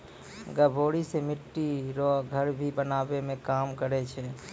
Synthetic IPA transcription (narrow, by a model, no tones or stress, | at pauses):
ɡəbʱoɽisemɪʈːiɾɔɡʱəɾbʱibənabemẽkamkəɾɛt͡ʃʰɛ